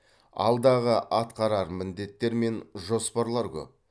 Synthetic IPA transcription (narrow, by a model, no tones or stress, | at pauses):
ɑ̰lˠd̪ɑʁəʔɑt̪qɑɾɑɾmɪnd̪e̞t̪ːe̞ɾme̞nʒo̞spɑɾlˠɑɾkʲɵ̰p̚